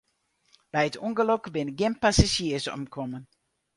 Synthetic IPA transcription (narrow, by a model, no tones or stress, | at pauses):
b̥ɛjətuŋɡəlɔkbɪnəɡɪnpasaʃiəsɔ̰mkʰɔmən